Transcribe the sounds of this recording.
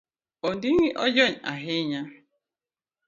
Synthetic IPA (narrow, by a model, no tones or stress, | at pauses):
ondiŋiʔɔd͡ʒɔɲa̰ɦɪɲa